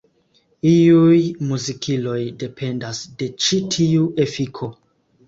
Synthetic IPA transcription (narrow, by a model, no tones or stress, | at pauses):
iujmuzikʰilo̞jde̞pʰe̞ndasde̞t͡ʃitʰiuʔe̞fikʰo̞